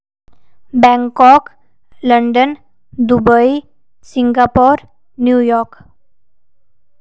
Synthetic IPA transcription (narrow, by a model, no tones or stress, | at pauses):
bɛŋkɔk | ləɳɖən | d̪ubəi | siŋɡapɔɾ | njujɔk